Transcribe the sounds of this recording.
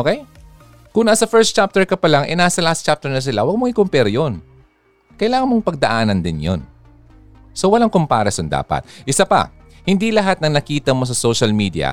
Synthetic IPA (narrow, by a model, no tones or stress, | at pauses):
ʔokɛj | kʊŋnasɐfɛɹst̪t͡ʃap̚t̪ɛɹkɐpɐlaŋʔɛ̰naːsɐlast̪̚t͡ʃap̚t̪ɛɹnɐs̬ɪlawɐɡ̚moŋɪkʊmpɛɾjon | kɐjlaːŋɐnmoŋpɐɡ̚d̪ɐʔaːnɐnd̪ɪnjo̰n | so̞wɐlaŋkʊmpa̰ːɾɐsond̪a̰ːpɐ̰t̪̚ʔɪsapɐ̰ | hɪnd̪ilɐɦat̪̚nɐŋnɐkiːt̪ɐmo̞s̬ɐsoʃɐlmiːd̪iɐ̰